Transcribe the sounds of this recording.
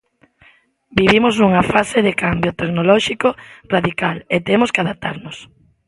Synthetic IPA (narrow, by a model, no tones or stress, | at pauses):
biβimoznuŋafaseðekambjot̪eknolɔʃikoraðikalet̪emoskɪaðap̚t̪aɾnʊs